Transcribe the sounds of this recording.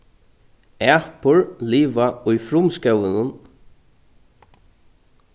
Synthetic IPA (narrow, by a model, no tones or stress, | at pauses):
ɛːpʊɹliːvaʊjfɾʊmskɛwɪnʊn